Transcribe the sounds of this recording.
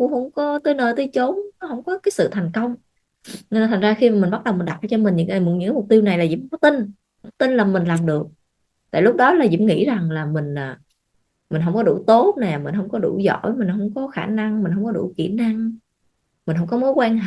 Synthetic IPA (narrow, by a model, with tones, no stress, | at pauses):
kʊ̰˧˥hə˧˥wŋ͡mkɔ˨˦t̪ə˧˦jnəː˨˩jt̪ə˧t͡ɕo˨˦nnɔ˨˦hə˧˩wŋ͡mkɔ˨˦kaː˨˦jsɨ̰˧˨t̪ʰa˨˩jŋ̟kə˧wŋ͡m | n˧nː˨˩t̪ʰa˨˩zaː˧xi˧ma˨˩mi˨˩n̟ɓa˦˥t̚ɗə˨˩wmi̟˨˩ɗa˨˩ʔa˨˩t͡ɕɔ˧mï˨˩ŋ̟ɲɨ̰˧˥ŋkaː˨˩m̚˨˩ɲɨ̰˧˥kːmʊ˨˩k͡p̚t̪i˧wna˨˩jlaː˨˩zḭ˧˥˦kɔ˨˦t̪i˧n | t̪i˧nlaː˨˩mï̟˨˩laː˨˩mɗɨ˨˩ək̚ | t̪a̰ː˧˨jlʊ˦˥k͡p̚ɗɔ˨˦laː˨˩zḭ˧˥mŋḭ˧˥za˨˩ŋlaː˨˩mï˨˩ŋ̟aː˨˩ | mï̟˨˩ɦə˧˩wŋ͡mkɔ˨˦ɗṵ˧˩t̪o˨˦˥t̚nɛ˨˩mï˨˩n̟ɦə˧wŋ͡mkɔ˨˦ɗṵ˧˩zɔ̰˧˨jmi˨˩n̟hə˧˩wŋ͡mkɔ˨˦xaː˧˩na˧ŋmï˨˩n̟ɦə˧wŋ͡mkɔ˨˦ɗṵ˧˩kḭ˧˩əna˧ŋ | mï˨˩n̟ɦə˧˩wŋ͡mkɔ˨˦mo˨˦jkwaː˧ɦ